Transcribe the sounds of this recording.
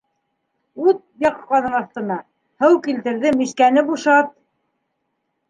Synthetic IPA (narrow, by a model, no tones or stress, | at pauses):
ʉt̪̚bɑqqɑnɤnɑθt̪ɤ̆nɑ | hɤwkilt̪ɘ̆ɾðɘmiʃkænɘbuʃɑt̪̚